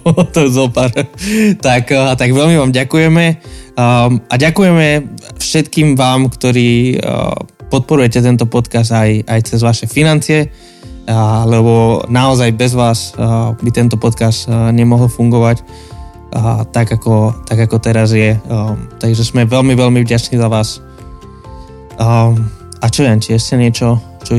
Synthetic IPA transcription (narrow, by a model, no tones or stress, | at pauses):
t̪ɔɛzɔpaɾt̪akt̪aɡʋɛlmiʋaːmɟakujɛmɛ | aɟakujɛmɛfʃɛt̪kiːmʋaːmkt̪ɔɾiː | pɔt̪̚pɔɾujɛcɛt̪̬ɛnt̪ɔpɔt̪kas̬t̪ajajt͡sɛzʋaʃɛfinant͡sɪɛ | lɛbɔnaɔzajbɛzʋaːsbit̪ɛnt̪ɔpɔt̪kast̪ɲɛmɔɦlfuŋɡɔʋacː | t̪aɡakɔt̪aɡakɔt̪ɛɾazjɛt̪aɡʒɛsmɛʋɛlmiʋɛlmivɟat͡ʃnizaʋaːs | at͡ʃɔʋɛmt͡ʃiɛscɛɲɪɛt͡ʃɔ | t͡ʃɔ